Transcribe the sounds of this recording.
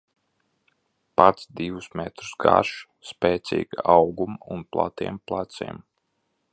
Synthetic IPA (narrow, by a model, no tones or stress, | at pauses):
pat̪sd̪iwusmɛt̪ɾu̥sɡa̰ɾʃ | spɛːt̪sḭːɡawɡumunplˠa̰t̪iɛmplˠat̪sḭɛm